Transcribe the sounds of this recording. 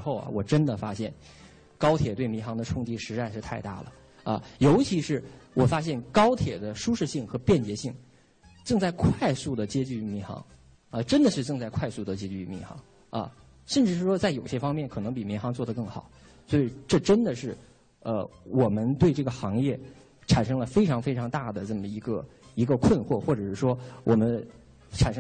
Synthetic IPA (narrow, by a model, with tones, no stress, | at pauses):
xo˥˩ʊɐ̰˩wɔ˨˩ʈ͡ʂə˥nd̪ə˨fa˥ɕjɛ˥˩n | kɑ˥ʊt̪ʰjɛ˨˩t̪we˥˩ɪmi˧˥nxɑ˧˥ŋd̪ə˧ʈ͡ʂʰʊ˥ŋt͡ɕi˧˥ʂɻ̩˧˥a˥˧ɪʂɻ̩˥˧t̪ʰa˥˧ɪt̪a̰˥˩lə̰˩ | ə̰˧jo˧˥ʊt͡ɕʰi˧˥ʂɻ̩˥˩wʔɔ˨˩fa˥ɕ̬jɛ˥˩nkɑ˥ʊt̪ʰjɛ˨˩d̪ə˦ʂu˥ʂɻ̩˥˧ɕi˥˩ŋxɤ˧˥pjɛ˥˩nt͡ɕjɛ˧˥ɕi˥˩ŋ | ʈ͡ʂɤ˥˧ŋt͡sa˥˧ɪkʰwa˥˧ɪsu˥˩d̪ə˩t͡ɕjɛ˥t͡ɕy˥˩mi˧˥xɑ̰˧˥ŋ | ə˧ʈ͡ʂə˥nd̪ə˨ʂɻ̩˥˧ʈ͡ʂɤ˥˧ŋt͡sa˥˧ɪkʰwa˥˧ɪsu˥˩d̪ə˩t͡ɕjɛ˥t͡ɕy˥˩mḭ˧˥xɑ̰˧˥ŋ | ɐ̰˧ | ʂə˥˧nʈ͡ʂɻ̩˥˧ʂɻ̩˥˩ʂwɔ˥t͡sa˥˩ɪjo˨˩ʊɕjɛ˥fɑ˥ŋmjɛ˥˩nkʰɤ˨˩nɤ˧˥ŋpi˨˩mi˧˥nxɑ˧˥ŋt͡swɔ˥˩d̪ə˩kɤ˥˩ŋxɑ˨˩˦ | swɔ˧˥i˨˩ʈ͡ʂɤ˥˩ʈ͡ʂə˥nd̪ə˨ʂɻ̩˥˩ | ə̰˧wɔ˨˩mə˦nt̪we˥˧ɪʈ͡ʂɤ˥˩ɡə˩xɑ˧˥ŋjɛ˥˩ | ʈ͡ʂʰa˨˩nʂɤ˥ŋlə˨fe˥ɪʈ͡ʂʰɑ˧˥ŋfe˥ɪʈ͡ʂʰɑ˧˥ŋt̪a˥˩d̪ə˩ʈ͡ʂɤ˥˩mə˩i˧˥ɡə˧i˧˥ɡə˧kʰwə˥˧nxwɔ˥˩xwɔ˥˩ʈ͡ʂɤ˨˩ʂɻ̩˥˩ʂwɔ˥wʔɔ˨˩mə˦n | ʈ͡ʂʰa˨˩nʂɤ˥